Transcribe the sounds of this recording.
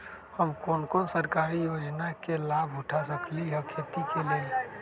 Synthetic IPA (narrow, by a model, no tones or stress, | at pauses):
həmkoːnkoːnsəɾkaːɾijoːd͡ʒnakelaːbʱʊʈʰasəkliɦəkʰːet̪ikelie